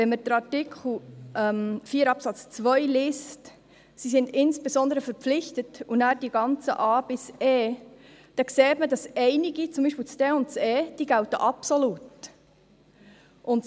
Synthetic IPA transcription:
ʋɛnməd̥əɾɑrtɪkʰχl̩ˠʔɛmfiːəɾɑpsɑt͡st͡svœjliːst | sisɪndɪnsb̥ezɔnd̪əɾəfəɾp͡flɪçtətunæːɾd̥iɡɑnt͡sə̰ʔɑːb̥ɪsɛː | d̥ɑkseːtmədɑsɛɪnɪɡit͡sʊmbiʃpɪlt͡sd̥eːʊnt̚t͡sɛːd̥iːɡ̥æltəʔɑpsɔlut | ʔʊnt

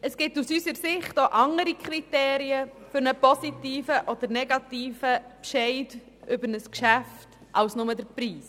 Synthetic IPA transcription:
əsɡ̥ɪtusysəɾsɪχtoʔɑŋəɾikʰɾiteːɾiəfʏɾnəpɔsitiːfəʔɔd̥̪əɾnɛɡɑtiːfəpʃɛɪd | ʔʏbəɾnəskʃæft | ʔɑwsnʊmədəɾpɾiːs

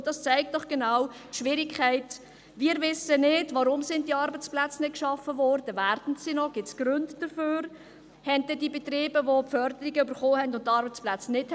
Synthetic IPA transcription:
d̥ɑst͡sæɪk̚t̚dɔχɡ̥enawtʃʋɪɾikʰχæɪt | viːɾvɪsənɪdvɑɾʊmsɪndiɑɾbət͡splæt͡snɪt̚kʃɑfəvɔːɾd̥əvæːɾd̥n̩sinɔɡ̥ɪt͡sɡ̥ɾøndd̥əføːɾ | hɛnt̚d̥ɛdibet̪ɾiːbəvopfœɾd̪əɾiɡəybəɾχoːhɛndʊntːɑɾbət͡splæt͡snɪt

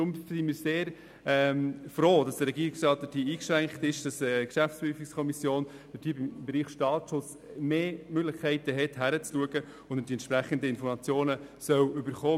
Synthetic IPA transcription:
ɾʊmsɪmɪːɾseːɾ | ɛmfroːd̥ɑsd̥əɾɛɡiːɾɪksʃtɑːt̚d̥əd̥iːiːkʃʁæŋkχtɪʃd̥ɑsəkʃæftt͡spɾyːfikskʰɔmisjoːn | d̥əd̥iːbɪmbɛɾiːχʃtɑːʃʊs | meːmøɡlɪχkʰːɛɪtəɦɛtɦæɾət͡sluəɡə | ʊndəd̥iɛntt͡ʃʃpɾæχəndəɪnfɔɾmɑt͡sjoːnəsœwʏbəɾχoː

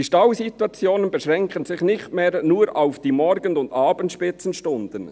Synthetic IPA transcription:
iʃtɑwsit̪wɑt͡sjoːnənbɛʃʁɛŋkənzɪχnɪxtmeːɾnuːɾaʊfd̥iːmɔɾɡənʊnd̪ɑːbənt̪ʃpɪt͡sən̩ʃtʊnd̥̪ən

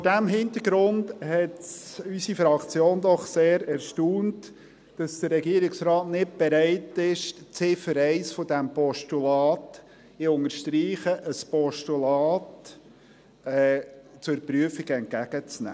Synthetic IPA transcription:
foɾdæmɦɪnt̪əɾɡɾʊndhɛtsysifɾɑkt͡sjoːnd̪ɔχseːɾɛɾʃtuːnt | d̥ɑsd̥̪ərːɛɡiəɾɪksɾɑːtnɪt̚b̥ɛɾæɪtɪʃt͡sɪfəɾɛɪsfɔdæmpɔʃtulɑːt | ɪʊŋəɾʃtɾiːχəʔəspɔʃtulɑːt | ɛːt͡sʊɾpryəfiɡɛnt̚kæɡ̥ət͡snæ̰ː

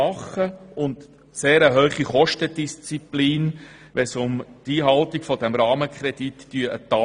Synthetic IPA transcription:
ɑχːəʊnt | seːɾəɦœːχiχɔʃtədist͡sipliːn | ʋɛsʊmtiːɦɑltiɡ̥fɔd̥ɛmɾɑːməkʰχɾɛditːyəʔət̪ɑ

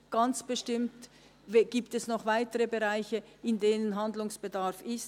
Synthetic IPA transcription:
ɡ̥ant͡sb̥əʃtɪmt | vɡ̥iːptɛsnɔχvaɪtəʁəbeʁaɪçəɪndeːnənɦandlʊŋsb̥edaʁfɪst

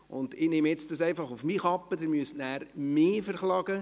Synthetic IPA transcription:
ʊ̰ndɪnemɛt͡sdɑsɛɪfɑχufmiχɑpːədɪɾmyəstnæːɾmɪːfəɾχlɑɡə

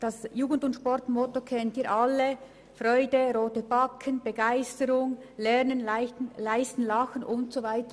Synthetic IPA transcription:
d̥ɑsjuːɡən̩dʊntʃpɔɾtmotokʰɛntiːʔɑlːe | frɔʏdəɾoːtəbɑkʰənb̥əɡaɪstəɾʊŋlɛɾnənlɪnlaɪstn̩lɑxənʊntsovaɪtə

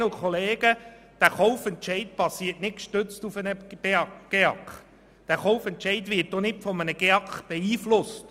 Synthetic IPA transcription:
əʊkʰɔleːɡ̥ə | d̥æχɔʊfɛntt͡ʃɛɪt̚b̥ɑsiːətnɪt̚kʃtøt͡stufənəb̥eɑɡ̥eɑkχ | d̥æɾχɔwfɛntt͡ʃɛɪtʋɪtdɔnɪtfɔmənəɡ̥eɑkχb̥ɛiːflʊst

